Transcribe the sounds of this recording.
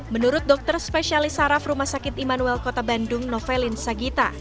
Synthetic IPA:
mənuɾʊt̪̚dɔk̚t̪ərspesialisaɾafrumahsakɪt̪imanuɛlkɔt̪abandʊŋnɔfɛlinsaɡit̪a

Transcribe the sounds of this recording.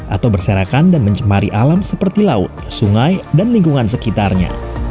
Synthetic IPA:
ʔa̰t̪awbərsəɾakandanməɲt͡ʃəmaɾiʔalamsəpərt̪ilaʊ̰t̪̚suŋajdanliŋɡuŋansəkit̪arɲa̰

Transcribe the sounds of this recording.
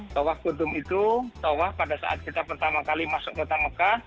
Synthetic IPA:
t̪ɔwahkud̪ʊmit̪ut̪owahpadasa̰ʔa̰t̪̚kit̪apərt̪amakalimasʊʔ̚pərt̪aməkah

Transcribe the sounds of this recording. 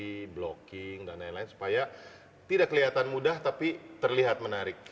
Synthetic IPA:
iblokɪŋdanajnlaɪnsu̥paja | t̪idaʔkːəliɦat̪anmudaht̪apit̪ərliɦat̪̚mənaɾɪk̚

